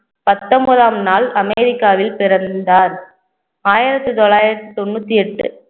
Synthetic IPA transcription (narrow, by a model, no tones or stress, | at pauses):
pɐt̪ːɔmbɐðaːmnaːlɐmɛɾɪkːaːʋɪlpɪɾɐnd̪aːɾ | aːjɪɾɐt̪ːɯt̪ɔɭːaːjɪɾɐt̪ːɯt̪ɔnːut̪ːiɛʈːɯ̰